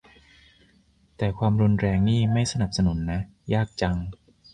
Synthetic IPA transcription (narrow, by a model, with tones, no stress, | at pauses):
t̪ɛː˨˩kʰwaː˧mɾu˧nɾɛː˧ŋniː˥˩ma˥˩jsa˧na˨˩p̚sa˧nu˨˩˦nːa˦˥jaː˥˩k̚t͡ɕa˧ŋ